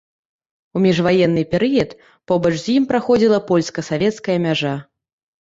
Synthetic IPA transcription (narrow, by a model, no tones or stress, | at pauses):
umʲɛʐvajɛnːɨpʲɛɾɨjɐt̪ | pɔbɐt͡ʂzʲjimpɾaxɔd͡zʲilˠɐpɔlʲskɐsavʲɛt̪skɐjɐmʲaʐa